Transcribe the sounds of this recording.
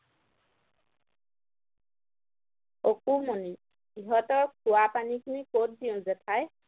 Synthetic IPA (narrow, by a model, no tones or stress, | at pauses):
okumɔni | iɦɔtɔɹkʰuwapanikʰinikot̚diʊ̃zɛtʰaj